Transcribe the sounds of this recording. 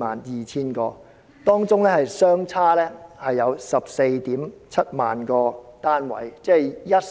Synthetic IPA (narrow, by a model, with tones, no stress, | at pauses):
ma̰ː˨˩njiː˨t͡sʰiː˥nkɔː˧ | t̪ɔː˥ŋt͡sʊ˥ŋlɛː˥hɐ˨jsœː˥ŋt͡sʰaː˥lɛː˥hɐ˨jːɐ˨˧wsɐ˨p̚se˧jt̪iː˨˥mt͡sʰɐ˥t̚ma̰ː˨nkɔː˧t̪aː˥nwɐ̰˨˩jt͡sɛː˥jɐ˥t̚